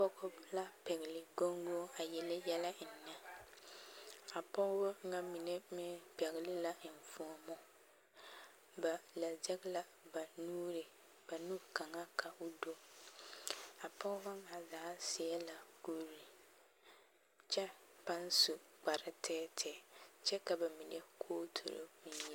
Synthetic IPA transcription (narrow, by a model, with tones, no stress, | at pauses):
pɔ˦ɣʊ˦la˦pɛ˨ɣɪ˨lɪ˨ɡo˦ŋɡo˦a˨jɛ˨lɪ˦jɛ˦la˦ɪ˨nːa˦ | a˨pɔ˦ɣbɔ˦ŋa˦mi˨ne˦mɪ˦pɛ˨ɣɪ˨lɪ˦la˦ɪ˨n˨fu˦ɔ˦mɔ˦ | ba˨la˨d͡ʒɛ˦ɡla˦ | ba˨nuː˦ɾɪ˨ | b̥a˨nu˦ka˨ŋa˦kʰa˨ʔʊ˦do˦ | a˨pɔ˦ba˦a˨zaː˨˦sɪ˨ɛ˦la˨ko˦ɾi˨ | t͡ʃɛ˦pa˦n˦su˨k͡pa˨ɾɪ˦tʰɛː˦tʰɛː˨t͡ʃɛ˦ka˨ba˨mi˨ne˦kʰoː˦tʰo̰˨ɾo̰˦mɪ˦jɛ˦